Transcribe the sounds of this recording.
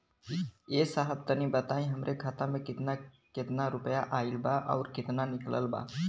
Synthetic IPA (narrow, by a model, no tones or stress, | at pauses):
esaɦəb̚t̪ənibət̪aĩɦəmɾʔekʰat̪amẽkɪt̪na | kɪt̪naɾʊpjaʔailbaʔa̰ʊɾkɪt̪nanɪklə̰lba̰